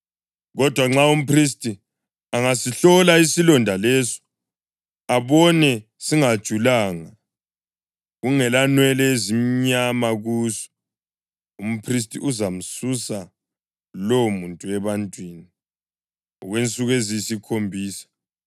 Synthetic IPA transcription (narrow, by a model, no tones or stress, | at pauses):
ɣɔd̥ʱwaŋ͡ǁaum̩pʰris̬tʼi | aŋasiɬɔlaisilɔndʱalɛsɔ̥ | aβɔnɛ | siŋad̥ʒ̥ʱulaːŋa | ɣuŋɛlanwɛlɛezim̩ɲamaɣuːsɔ̥ | um̩pʰris̬tʼḭʔuzam̩susa | lɔmuntʼuɛβantʼwiːni | ɣwent͡sʼuɣezisikʰombʱiːsḁ